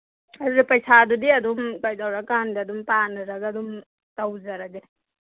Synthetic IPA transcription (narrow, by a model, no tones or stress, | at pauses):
adudipɐjsadudiɐd̪umkajdawɾakandiɐd̪umpanɯɾaɡaɐdum | tawzaɾadi